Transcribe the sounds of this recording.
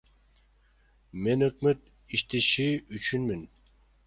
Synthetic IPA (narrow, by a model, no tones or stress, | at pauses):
me̞nøkmøt̪ | iʃt̪eʃiyt͡ʃʰynmin